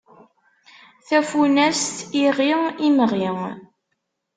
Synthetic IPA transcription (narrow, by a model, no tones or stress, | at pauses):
θæfunæst̪iʁiiməʁiŋ